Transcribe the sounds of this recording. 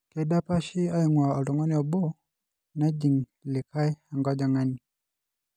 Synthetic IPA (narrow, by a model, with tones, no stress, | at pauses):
kɛ˨˦da˦pa˦ʃi˦a˦i˦˨ŋwa˨ɔ˨lɔ˨ŋɔ˦ni˦ɔ˨bɔ˦ | na˦d͡ʒi˨ŋ | li˨kʰa˦i˦a˨ŋɡa˦d͡ʒa˨ŋa˦ni˨